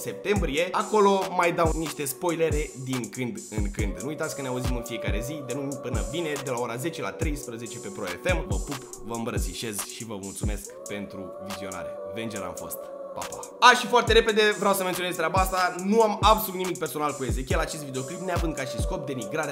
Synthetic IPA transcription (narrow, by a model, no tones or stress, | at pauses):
se̞p̚t̪e̞mbɾije̞ako̞lo̞majd̪awniʃt̪e̞spo̞jleɾe̞d̪iŋkɨnd̪ɨŋkɨnd̪nuujt̪at̪sʲkəneauzimɨnfije̞kaɾe̞zid̪e̞numipɨnəbine̞d̪e̞lao̞ɾaze̞t͡ʃe̞la̰t̪ɾe̞jspɾəze̞t͡ʃe̞pe̞pɾo̞̰e̞̰fe̞mvə̰pup | vəɨmbɾət̪siʃe̞zʃivəmult̪sumeskpe̞nt̪ɾu | vizio̞na̰ɾḛvend͡ʒeɾa̰mfo̞̰st̪pa̰pa | aʃifoart̪e̞ɾe̞pe̞d̪evɾeawsəmet̪ione̞s̬t̪ɾʲabaast̪anuamabsolut̪nimik̚pe̞rso̞nalkue̞ze̞kʲielat͡ʃest̪vid̪e̞o̞klipneavɨnd̪̚kaʃisko̞p̚d̪e̞niɡɾaɾe